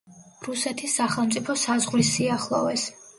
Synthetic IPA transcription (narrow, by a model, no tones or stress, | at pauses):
ɾusɛt̪ʰisːaχɛlˠmt̪sʼipʰɔsazʁlisːiaχlˠɔ̰vɛs